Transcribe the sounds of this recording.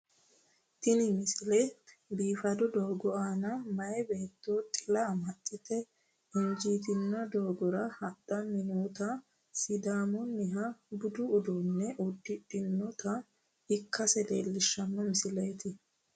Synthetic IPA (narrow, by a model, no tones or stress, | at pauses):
t̪ɪnɪmɪsɪlebiːfɐd̪ɔd̪oːɡɔʔaːnɐmɐjɛbe̞ːt̪ːoːt̪ʼɪlɐmɐtʼːɪt̪ɛ | ɛnd͡ʒiːt̪ɪnːɔd̪oːɡɔɾɐhɐd̪ɐmɪnuːt̪ɐ | sɪd̪aːmɔnːɪɦɐbʊd̪ʊːd̪unːɛʔʊd̪ːɪᶑɪnːɔt̪ɐ | ɪkːɐsɛleːlːɪʃːɐmːɔmɪsɪleːt̪ɪ